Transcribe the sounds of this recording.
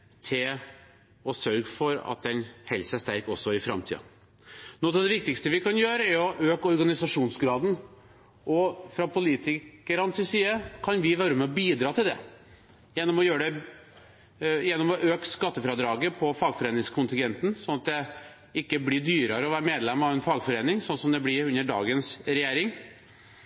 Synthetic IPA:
t̪ʰɪl | ɔsœɾɡfɔɾɑ̰t̪̚d̪ɛnhɛlsəæʂt̪æɾkɔsːɔɪfɾɑ̰mt̪ʰḭːɑ̰ | nɔt̪ɑʋd̪ɛʋɪk̚t̪ɪkst̪əʋɪkʰɑnjøːɾəæɾjɔʔøːkɔɾɡɑnɪsɑʂuːnsɡɾɑːd̪n̩ | ʔɔfɾɑpʰʊliːt̪ɪkəɾɑnsɪsiːəkʰɑnʋɪʋøːɾəmɛɔbiːd̪ɾɑːt̪ʰɪld̪ɛ̰ | jɛnːɔmɔjøːɾəɖɛ | jɛnːɔmɔʔøːkskɑt̪ːəfɾɑd̪ɾɑːɡəpʰɔfɑːɡfɔɾeːnɪŋskʰʊnt̪ɪŋɡɛnt̪n̩sɔnɑt̪̚d̪ɛ | ɪkːəblɪɖyːɾəɾəɔʋæːɾəmeːd̪lɛmːɑʋɛnfɑːɡfɔɾeːnɪŋsɔnsɔmd̪ɛblɪɾʉnːəɖɑ̰ːɡənsɾɛjeːɾɪŋ

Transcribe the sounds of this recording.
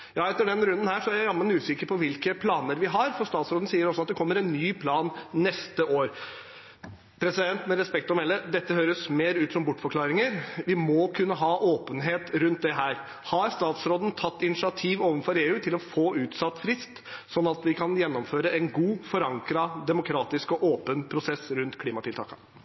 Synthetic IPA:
jɑːɛt̪ːəɖɛnɾʉnd̪ənhæːʂɔæɾɑmːənʉːsɪkəɾpʰɔʋɪlkəpʰlɑːnəɾʋɪɦɑɾfɔɾst̪ɑːt̪sɾoːd̪n̩siːəɾɔsɔɑt̪̚d̪ɛkʰɔmːəɾɛnːyːpʰlɑːnnɛst̪əʔoːɾ | pʰɾɛsɪd̪ɛnt̪mɛɾɛspɛk̚t̪ɔmɛlːəd̪ɛt̪ːəhøːɾəsmeːɾʉːt̪sɔmbʊʈːfɔɾkʰlɑːɾɪŋəɾʋɪmɔkʰʉnːəɦɑːʔoːpənɦeːt̪ɾʉnt̪̚d̪ɛɦæːɾ | hɑɾst̪ɑːt̪sɾoːd̪n̩t̪ʰɑt̪ːɪnɪsɪɑt̪ʰiːʋoːʋənfɔɾeːʉːt̪ʰɪlɔfoːʉːt̪sɑt̪ːfɾɪst̪sɔnːɑt̪ʋɪkʰɑnjɛnːɔmføːɾəɛnɡuːfɔɾɑŋkɾɑd̪ɛmʊkʰɾɑːt̪ɪskɔʔoːpənpʰɾʊsɛsɾʉnt̪kʰliːmɑt̪ɪlt̪ʰɑ̰ːkɑ

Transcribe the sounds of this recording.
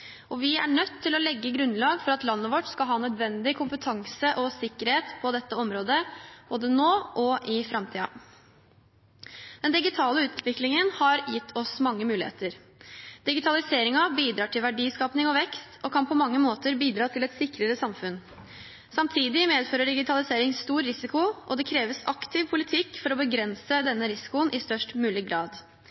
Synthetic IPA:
ʔɔʋɪæ̰ɳœt̪ʰːɪlɔlɛɡːəɡɾʉnlɑːɡfɔɾɑt̪lɑnːəʋɔʈskɑlɦɑːnœd̪ʋɛnd̪ɪkʰʊmpət̪ʰɑŋsəʔɔsɪkːəɾheːt̪pʰɔd̪ɛt̪ːəɔmɾoːd̪əb̥oːd̪ənoːʔɔʔɪfɾɑmt̪ʰiːɑ̰ | d̪̥ɛnd̪ɪɡɪt̪ʰɑːləʉːt̪ʋɪklɪŋənhɑɾjɪt̪ʰːɔsmɑŋːəmʉːlɪhḛːt̪əɾ | d̪̥ɪɡɪt̪ʰɑlɪseːɾɪŋɑbiːd̪ɾɑːʈʰɪlʋæɖiːskɑːpnɪŋɔʋɛkst̪ɔkʰɑnpʰɔmɑŋːəmoːt̪əɾbiːd̪ɾɑːt̪ʰɪlɛt̪sɪkɾəɾəsɑmfʉn | sɑmt̪ʰiːd̪ɪmeːd̪føːɾəɖɪɡɪt̪ʰɑlɪseːɾɪŋst̪uːɾɾɪsɪkʊʔɔd̪ɛkʰɾeːʋəsɑkt̪ʰɪʋpʰʊlɪt̪ʰɪkːfɔɾɔbəɡɾɛnsəd̪ɛnːəɾɪsɪ̥kʊənʔɪst̪œʂʈmʉːlɪɡɾɑːd̪

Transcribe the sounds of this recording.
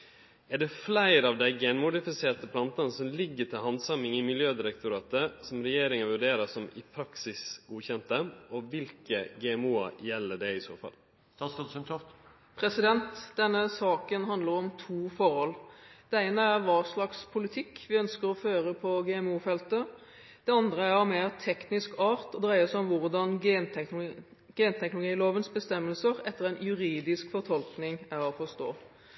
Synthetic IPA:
æɖɛflæɪɾɑʋd̪æɪɡenmʊd̪ɪfɪseːt̪əpʰlɑnt̪ɑnəsɔmlɪɡːəʈʰɪlɦɑnsɑmɪŋɪmɪljøːd̪ɪɾɛkt̪ʊɾɑːt̪əsɔmɾɛjeːɾɪŋənʋʉɖeːɾəsɔmɪpʰɾɑksɪsɡ̥uːçɛnt̪əɔʋɪlkəɡɛːɛmuːɑ̰jɛlːəɖɛɪso̰ːfɑ̰l | ɑst̪ɔsɪmt̪ʰɔft̪ | pʰɾɛsɪd̪ɛnt̪d̪ɛnːəsɑːkənɦɑnd̪ləɾɔmt̪ʰuːfɔɾhɔld̪̥ɛæɪnəæʁʋɑːslɑkspʰʊlɪt̪ʰɪkːʋɪœnskəɾɔføːɾəpʰɔɡɛɛmuːfɛlt̪ə | d̪̥ɛɑnd̪ʁəæɾɑmeːʁt̪ʰɛknɪskɑːɾt̪ɔd̪ɾæɪəsɔmʋʊʁd̪ɑn | ɡ̥eːnt̪ʰɛknʊlʊɡiːloːʋənsbəst̪ɛmːəlsəɾɛt̪ːəʁæɪnjʉɾiːd̪ɪskfɔʁt̪ʰɔlknɪŋæɾɔfɔst̪o̰ː

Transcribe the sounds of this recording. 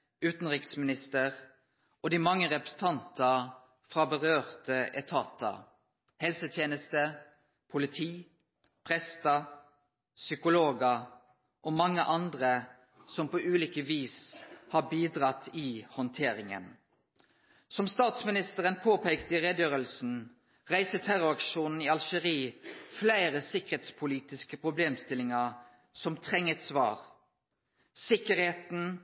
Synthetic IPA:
ʉːt̪n̩ʁɪksmɪnɪst̪əʁ | ʔɔd̪iːmɑŋːəʁɛpʁɛ̥sən̩t̪ʰɑnt̪ʰɑ | fʁɑːbəʁøːʁt̪əʔɛt̪ʰɑːt̪ʰɑ̰ | hɛlsət̪ʰjeːnəst̪ə | pʰʊlɪt̪ʰiː | pʰʁɛst̪ɑ | sʏkʊloːɡɑ | ʔɔmɑŋːəʔɑnd̪ʁə | sɔmpoːʔʉːliːkəʋiːshɑːbiːd̪ʁɑt̪ʰːiːhɔnt̪ʰeːɾɪŋə̰n | sɔmst̪ɑːt̪smɪnɪst̪əʁənpʰoːpeːkt̪əɪʁeːd̪jøːʁəlsn̩ | ʁæɪsət̪ʰæʁʊɾɑkʃuːnn̩iːɑlʃəʁiːflæɪʁəsɪkəʁheːt̪spʰʊliːt̪ɪskəpʰʁʊbleːmst̪ɪlɪŋɑʁ | sɔmt̪ʰʁɛŋːət̪sʋɑ̰ːʁ | sɪkəʁheːt̪n̩

